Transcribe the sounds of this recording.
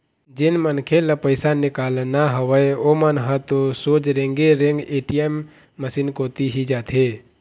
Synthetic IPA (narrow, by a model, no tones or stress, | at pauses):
d͡ʒɪnmənkʰeləpəɪsanɪkaːlnaɦəʋəeomənɦət̪osoːd͡ʒɾẽŋɡeɾẽŋɡeːʈijemː | əsiːnkoːt̪iɦid͡ʒaːt̪ʰeː